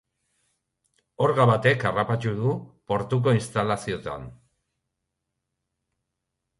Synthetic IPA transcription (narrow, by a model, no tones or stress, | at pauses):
o̞ɾɣaβat̪e̞karapat͡ʃuðupo̞ɾt̪uk̬o̞inst̪alasio̞t̪a̰n